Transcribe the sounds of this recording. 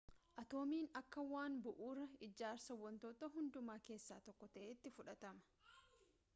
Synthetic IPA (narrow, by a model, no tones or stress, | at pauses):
ʔɐt̪o̞ːmiːnɐkːɐwaːnbʊʔuːɾɐɪd͡ʒaːɾsɐwɐnt̪oːt̪ɐɦʊnd̪ʊmaːke̞ːsːa̰ːt̪ɔkːɔt̪ɐʔeːt̪ːɪfʊᶑɐt̪ɐmɐ̥